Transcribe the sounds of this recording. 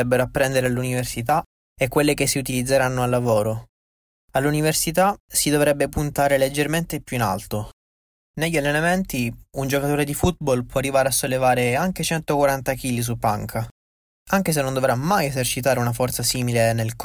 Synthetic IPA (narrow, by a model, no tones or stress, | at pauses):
ɛbːeɾoapːɾɛnd̪eɾealːuniversit̪a | ekːwelːekesːiut̪ilid̪zːeɾanːoalːavoːɾo | alːuniversit̪asid̪ovɾɛbːepunt̪aːɾeled͡ʒːerment̪epjuina̰lt̪o | neʎːalːenament̪iund͡ʒokat̪oːɾed̪ifut̪̚bɔlpwɔarːivaːɾeasːolːevaːɾeaŋk̟et͡ʃɛnt̪okwaɾant̪ak̟iːlis̬upːaŋkʰa | aŋk̟es̬enːond̪ovɾamajezert͡ʃit̪̬aːɾeunafɔrt̪sasiːmilenelk